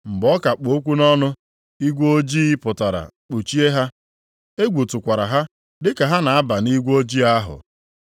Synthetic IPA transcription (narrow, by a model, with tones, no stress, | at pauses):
m̩˨ɡ͡bɔ˦ka˨k͡po˨˦kʷu˦nɔ˦nʊ˦ | i˦ɡʷo˦d͡ʒi˦i˦pʊ˨ta˨ɾa̰˨k͡po˨t͡ʃi˦e˦ɦa˦ | e˦ɡʷu˨tʊ˨kʷa˨ɾa˨ɦa˦ | dɪ˦ka˨ɦa˦na˨a˦ba˨ni˦ɡʷo˦d͡ʒi˦a˦ɦʊ̰˨